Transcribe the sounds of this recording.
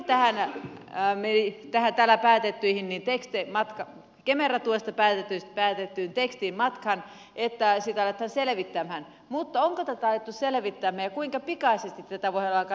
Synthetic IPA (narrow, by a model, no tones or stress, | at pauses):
t̪æhæn | meit̪æhænt̪ælːæpæːt̪et̪ːyihinnint̪ekst̪emɑt̪kɑ | kemerɑt̪uest̪ɑpæːt̪et̪ːyst̪pæːt̪et̪ːyːnt̪ekst̪iːmmɑt̪kɑn | ʔet̪ːæsit̪æɑlet̪hɑnseleʋit̪ːæmhæn | mut̪ːɑoŋkot̪æt̪æɑjot̪ːusseleʋit̪ːæmhæːjɑkuiŋkɑpikɑisest̪it̪ːæt̪æʋoiɑlɑkɑ